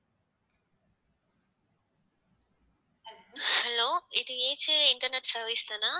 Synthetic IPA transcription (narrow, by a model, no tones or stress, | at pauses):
hɛloːɪðɯeːd͡ʒɨɪɳʈɐɾnɛʈsɐɾʋɪst̪anaː